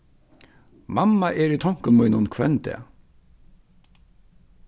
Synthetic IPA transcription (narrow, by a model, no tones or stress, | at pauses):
mamːaʔɛɾit̪ʰɔŋ̥kʊnmujnʊnkʰvɛnt̪ɛ̰ː